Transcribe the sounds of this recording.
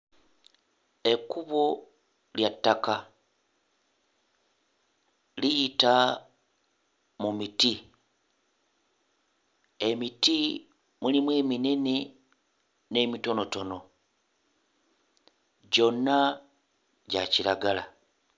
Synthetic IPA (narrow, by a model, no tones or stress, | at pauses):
e̞kuβo | ljatːaka | lijita | mumiti | e̞miti | mulimweːminene | ne̞mito̞no̞to̞no̞ | ɟo̞nːa | ɟa̰cilaɡala